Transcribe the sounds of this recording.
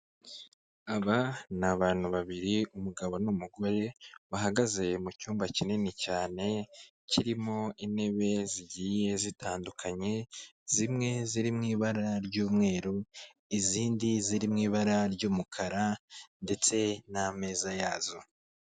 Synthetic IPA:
aβanaβaːn̥huβaβiɾiumuɡaβo̞numuɡo̞ɾe̞βaɦaɡaze̞mucuːmbacininicaːne̞ | ciɾimo̞ine̞βe̞ziɟiːje̞zitʰaːndukʰaɲe̞z̥imŋe̞ziɾimŋiːβaɾaɾɟuːmŋe̞ːɾu | iziːndiziɾimŋiːβaɾaɾɟuːmukʰaɾande̞t͡se̞name̞ːzajaːzo̞

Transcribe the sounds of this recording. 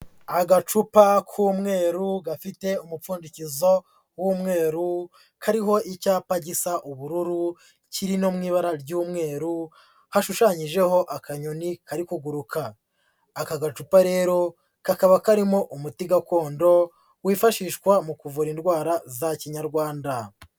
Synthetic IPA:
aɡat͡ʃupakʰuːmŋe̞ːɾuɡafite̞umup͡fuːndicizo̞ | wumŋe̞ːɾu | kʰaɾiɦo̞ʔicaːpaɟisaʔuβuɾuɾu | ciɾino̞mŋiːβaɾaɾɟuːmŋe̞ːɾu | haʃuʃaɲiʒe̞ho̞ʔakaɲonikaɾikuɡuɾukʰaː | kaɡat͡ʃupaɾe̞ːɾo̞ | kakaβakaɾimoʔumutiɡako̞ːndo̞ | wiːfaʃiːʃkwamukuvuɾindɡwaːɾazaciɲaɾɡwaːnda

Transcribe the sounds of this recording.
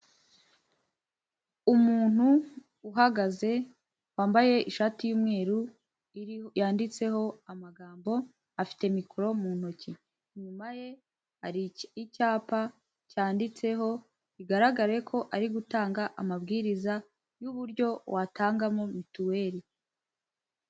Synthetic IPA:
umuːn̥huː | ɦaɡaze̞ | waːmbaje̞ʔiʃaːtijuːmŋe̞ːɾu | jaːndit͡se̞ɦo̞amaɡaːmbo̞ | afi̥te̞mikuɾo̞muːn̥oci | ɲumaje̞ | ɾicaːpa | caːndit͡se̞ɦo̞ | iɡaɾaɡaɾe̞kʰo̞ʔaɾiɡutaːŋɡaʔamabɡiːɾiza | juβuɾɟo̞watʰaːŋɡamomituwe̞ːɾi

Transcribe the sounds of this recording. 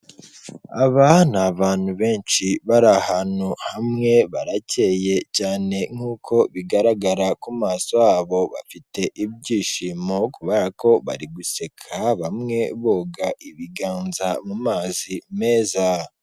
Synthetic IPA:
aβanaβaːn̥huβe̞ːnʃiβaɾahanuhamŋe̞βaɾace̞je̞caːne̞ŋ̥huːkʰo̞βiɡaɾaɡaɾakumaːsojaːβo̞βa̰fite̞ʔib̚ɟiːʃiːmo̞kuβeɾako̞βa̰ɾiɡuse̞kʰaβamŋe̞βoːɡaʔiβiɡaːnzamumaːzime̞ːza

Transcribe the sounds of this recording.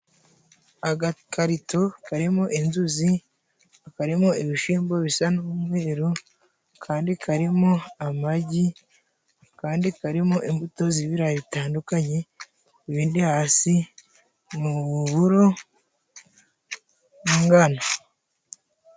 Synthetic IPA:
aɡakaɾitokaɾimo̞ʔinzuzi | akaɾimoiβiʃiːmbo̞βisanuːmŋe̞ːɾu | kʰaːndikʰaɾimo̞amaɟi | kaːndikaɾimoʔimbuto̞ziβiɾaβitaːndukaɲe̞ | iβiːndihaːsi | muβuɾo | ŋɡana

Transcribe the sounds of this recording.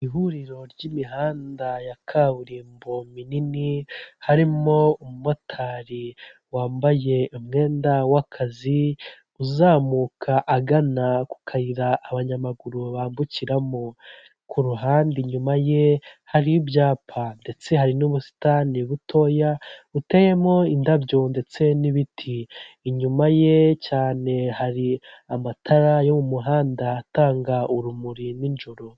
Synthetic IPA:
iɦuɾiɾo̞ɾɟimiɦaːndajakʰaβuɾiːmbomininihaɾimo̞umumo̞tʰaɾi | waːmbaje̞umŋe̞ːndawakʰazi | uzaːmuːkʰaʔːɡanaku̥kʰaɾiɾaʔːβaɲamaɡuɾuβaːmbuciɾamo | kʰuɾuɦaːndiɲumaje̞haɾiubjaːpʰande̞t͡se̞ɦaɾinuβusi̥taniβutʰo̞ːjaute̞je̞mŋo̞indabjo̞nde̞t͡se̞niβitʰiːɲumaje̞caːne̞haɾiamatʰaɾajo̞mumuɦaːndaːtaːŋɡauɾumuɾinind͡ʒoɾo̞

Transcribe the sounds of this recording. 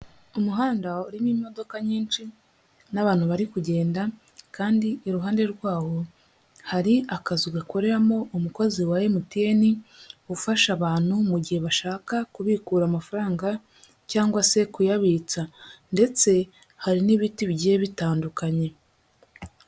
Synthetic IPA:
umuɦaːndauɾimiːmo̞do̞kaɲiːnt͡ʃi | naβaːn̥huβaɾikuɟe̞ːnda | kaːndiːɾuɦaːnde̞ɾɡwaːho̞ | haɾiakaziɡako̞ɾe̞ɾamo̞ʔumuko̞ziwajemutieniufaʃaβaːn̥humuɟihe̞βaʃaːkakuβikuːɾaːmafaɾaːŋɡa | caːŋɡwase̞kujaβiːt͡sande̞t͡se̞ | haɾiniβitiβɟeβitaːndukaɲe̞

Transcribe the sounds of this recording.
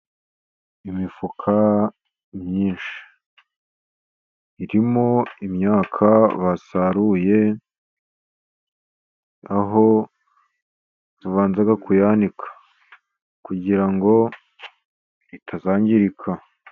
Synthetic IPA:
imifukʰa | mɲɲiːnʃi̥ | iɾimoimɲaːkʰaβasaɾuje̞ | aɦo̞ | βuvaːnzaɡakujanikʰḁ | kuɟiɾaŋɡo̞ | itʰazaːɲɟiɾikʰa

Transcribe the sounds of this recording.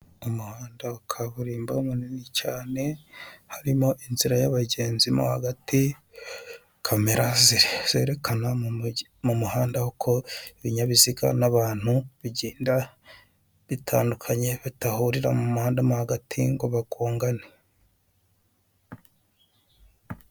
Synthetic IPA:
umuhaːndaukʰaβuɾiːmbaumuninicaːne̞haɾimo̞ʔinziɾajaβaɟe̞ːnzimo̰haɡati | kʰameɾaziɾez̥e̞ːɾe̞kana | mumuhaːndahokʰo̞iβiɲaβiziɡa̰naβaːn̥huβiɟiːnda | βitʰaːndukʰaɲe̞βitahuɾiɾamumuhaːndamuhaɡatʰiŋɡo̞βaɡoːŋɡane

